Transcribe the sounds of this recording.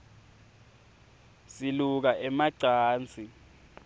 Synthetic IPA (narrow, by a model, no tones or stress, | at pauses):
siluk̬aʔɛmaǀaːnt͡sʰʼi